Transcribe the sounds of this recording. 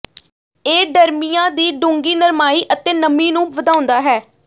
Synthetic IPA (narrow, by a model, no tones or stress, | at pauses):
eːɖəɾmijãːd̪iːɖõːŋɡiːnəɾmaːiːʔət̪eːnəmiːnũːʋəd̪aːʊ̃nd̪aːɦɛː